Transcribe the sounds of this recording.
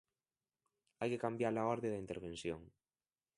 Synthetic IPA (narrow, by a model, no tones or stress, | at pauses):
ajkekambjaɾlaoɾðeðaint̪eɾβ̞ẽnsjo̰ŋ